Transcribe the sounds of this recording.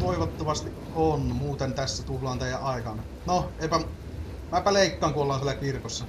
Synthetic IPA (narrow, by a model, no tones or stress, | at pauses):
ʋoiʋɑt̪ːoʋɑst̪iʔʔonmuːt̪ent̪æsːæt̪uhlɑːnt̪æjæʔʔɑˑikɑn | noeˑipæ | mæpæleˑikːɑːŋkuolːɑnsielækirkosːɑ